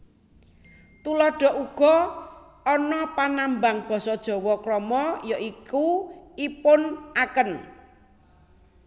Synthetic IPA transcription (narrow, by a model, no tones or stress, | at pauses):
t̪ulɔɖ̥ɔ̤ʔuɡ̥ɔ̤ | ɔnɔpanambaŋb̥ɔ̤sɔd̥ʒ̥ɔ̤wɔkɾɔmɔjɔʔikuipʊnakən